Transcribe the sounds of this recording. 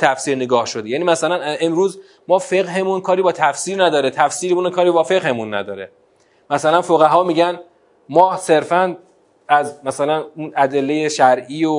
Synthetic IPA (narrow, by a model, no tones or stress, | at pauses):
t̪ʰæfsiːɾneɡɒːhʃod̪ejæːniːmæsælæne̞mɾuːz | mɒːfe̞ɣɦe̞munkʰɒːɾiːbɒːt̪ʰæfsiːɾnæd̪ɒːɾet̪ʰæfsiːɾemuːnekʰɒːɾiːbɒːfe̞ɣhe̞munːæ̰d̪ɒːɾe | mæsælænfoɣæɦɒːmiːɟæn | mɒːhse̞ɾfæn | æzmæsælænunæd̪e̞lːejeʃæɾʔiːo